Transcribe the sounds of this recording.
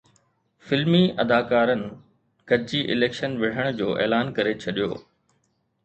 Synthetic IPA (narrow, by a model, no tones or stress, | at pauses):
fɪlmiɐd̪aːkaːɾənɪ̆ | ɡ̥ɐd͡ʑiʔɪleːkʃənʋɪɽ̤əɽ̃d͡ʑoːʔḛːlaːnkɐɾet͡ɕʰɐɗijo̰ː